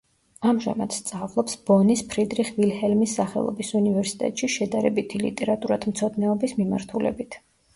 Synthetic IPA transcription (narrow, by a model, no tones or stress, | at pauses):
amʒa̰mad̪̥st̪sʼavlˠɔpsb̥ɔnispʰɾid̪ɾiχvilhɛlmisːaχɛ̰lˠɔ̰bisunivɛɾsi̥t̪ʼɛ̰t̪ʼʃiʃɛd̪aɾɛbit̪ʰilḭt̪ʼɛɾat̪ʼuɾad̪ʰmt̪sʰɔd̪nɛɔbismima̰ɾt̪ʰulɛ̰bit̪ʰ